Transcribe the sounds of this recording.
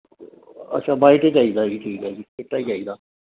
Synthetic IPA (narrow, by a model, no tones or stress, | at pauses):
ə̰t͡ʃʰãːbaːɪʈeːt͡ʃaːiːd̪aːd͡ʒiːʈʰiːkɦɛːd͡ʒikɪʈːaːid͡ʒaːiːd̪aː